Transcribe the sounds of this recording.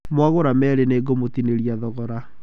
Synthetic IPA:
mwaɣoɾamɛɾeneɡomot̪ineɾiaðɔɣɔɾa

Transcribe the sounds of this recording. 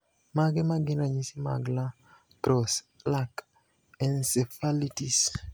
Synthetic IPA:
maɡɛmaɡɪnaɲisima̰ɡla | tɾɔs | lak | ɛnsefalitis

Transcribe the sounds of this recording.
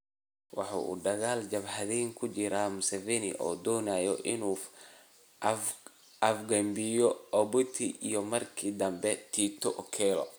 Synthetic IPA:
wɑħɑ̰ʔṵːd̪ɐɣaːld͡ʒɐbħɐðɛjŋkʰʊt͡ʃɪɾaːmʊsɛvɛnɪ̰ʔɔ̰ːd̪ɔːnajɔʔɪnuː | ɐfɡɐmbɪjɔɔbʊt̪ʰiʔijɔmɐrkʰid̪ɐmbɛt̪ʰiːt̪ʰɔʔɔkʰɛːlɔ̰

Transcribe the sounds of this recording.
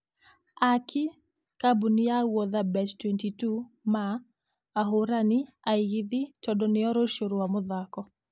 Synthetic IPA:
akʰɪ | kabuniawɔðabɛt͡ʃtwɛntitu | maː | ɦʊɾanɪ | aɪɡiðɪt͡ʃɔdɔnɪɔɾɔʃoɾowamʊðakɔ

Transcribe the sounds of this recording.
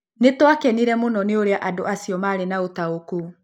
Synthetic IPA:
netwakɛniɾɛmonɔneoɾeaʔadoasiɔmaːɾenaotaoku

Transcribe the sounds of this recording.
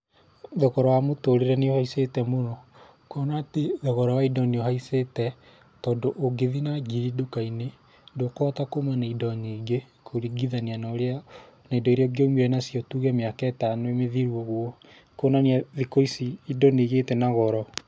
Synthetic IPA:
ðɔɣɔɾɔwamotoɾeɾɛneohaisetɛmonɔ | koːnaːteðɔɣɔɾɔwaidɔniohaisetɛ | tɔːndoʔoɡeðinaɡiɾidokaine | ndokɔtakomanaidɔɲiɡe | kʰoɾiɡiðanianaɾea | naidɔeɾeɔɡomeɾɛnasiɔtuːɣɛmeakɛtanoemeðiɾwɔɣwɔ | konaneaðikoisiidɔniɣetɛnaɣɔɾɔ

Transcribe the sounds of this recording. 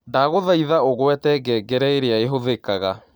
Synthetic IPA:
daɣoðaiðaoɣwɛtɛɡɛɡɛɾɛeɾeaeɦoðekaɣa

